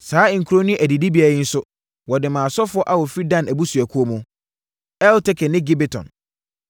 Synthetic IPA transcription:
saː˨˦˨ŋ̩˨kʰu˨ɾo˦nʊ̃˦ʔæ˨di˨di˦bi˦a˨jɪ˦n̩˦sʊ˦ | wɔ˨dɪ˨mã˨sɔ˦fʊ˦ɔ˦ʔa˦wɔ˨fɾi˦dã˦˨næ˨bu˦su˨æ˨kʰu˦o˦mũ˨˦ | ɛ˦ltʰɛ˦kʰɛ˨nɪ̃˦ɡɪ˦bɛ˨tʰɔ̰̃˨n

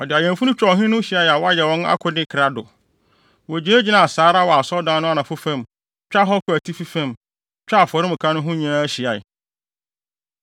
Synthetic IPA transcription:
ɔ˨dɪ˨a˨jɛ̃˨nfu˦ʊ̃˦t͡ɕᶣɔ˨ɦɪ̃˦nʊ̃˦ɕi˨a˦ja˨wɔ˦a˦jɛ˨wɔ̃˦na̰˦kʰʊ˨nɪ̃˦kʰɾa˨dʊ˨ | wɔ˨d͡ʑi˨˦e˦d͡ʑi˦nã˨saː˨˦ɾa˦˨wɔ˨a˨sɔ˦dã˦nʊ̃˦a˨nã˨fʊ˦fã˦˨m | t͡ɕᶣa˦ɦɔ˦kʰʊ˨æ˨tʰi˦fi˦fã˦˨m | t͡ɕᶣa˦a˨fɔ˨ɾɪ˦m̩̃˨kʰã˦nʊ̃˦ɦʊ̃˦ɲã˦a˦ɕi˨a˨j̰

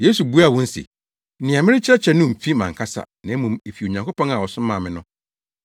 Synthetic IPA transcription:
je˦su˨bu˦a˦˨wɔ̃˦n̩˦sḭ˨˦ | nɪ̃˨ã˨mɪ̃˦ɾɪ˦t͡ɕʰɪ˦ɾɛ˦t͡ɕʰɛ˦nʊ̃˦m̩˨fi˦mã˨ŋkʰa˦sa̰˨nã˨˦mũ˨me˨fi˨o˨ɲã˨ŋkʰo˦pʰɔ̃˦ŋa˨wɔ˨sʊ̃˦mãː˨mɪ̃˦nʊ̃˦

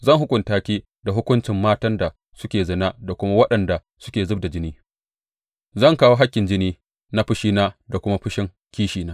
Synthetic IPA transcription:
zɐ˦˨ŋɦʊ˦kʷʼʊ˨ntaː˦kʲiː˦ | da˨ɦʊ˦kʷʊ˦nt͡ʃɪ˨mːaː˦tɐ˦nda˨ | sʊ˦kʲeː˨zɐ˨na˦da˨kʷʊ˦ma˦wɐ˦ɗɐ˨nda˨ | sʊ˦kʲeː˨zʊ˦b̚da˨d͡ʒɪ˦niː˦ | zɐ˦˨ŋkaː˦woː˦ɦa˦kʲːɪ˨nd͡ʒɪ˦niː˦ | na˦ɸɪ˦ʃiː˦naː˦da˨kʷʊ˦ma˦ɸɪ˦ʃɪ˦ŋ | kʲiː˦ʃiː˨naː˦

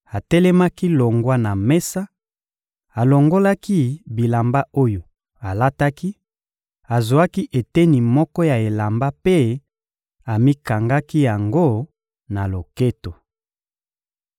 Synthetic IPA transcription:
a˨tɛ˦lɛ˦ma˦ki˦lo˨ŋɡwa˦na˨mɛ˦sa˦ | a˨lo˨ŋɡo˦la˦ki˦bi˨la˨mba˦o˦jo˨ | a˨la˦ta˦ki˦ | a˨zo˨a˦ki˦ʔe˨tɛ˦ni˨mɔ˦kɔ˦ja˨e˨la˨mba˦pe˦ | a˨mi˦ka˨ŋɡa˦ki˦ja˨ŋɡo˦˨ | na˨lo˨ke˦to˨

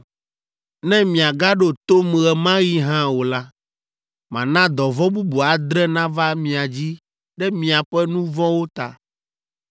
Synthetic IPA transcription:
nɛ̃˦mĩ˨a˨ɡa˦ɖo˦t̪o˦m˨ɣɛ˨mã˦ji˦ɦã˦wo˨la˦ | mã̰˨nã˦d̪ɔ˨vɔ˦bu˦bu˨a˨d̪ɾɛ˦nã˦va˦mĩ˨a˨d͡ʑi˦ | ɖɛ˦mĩ˨a˨ɸɛ˦nũ˦vɔ˦wo˦t̪a̰˨

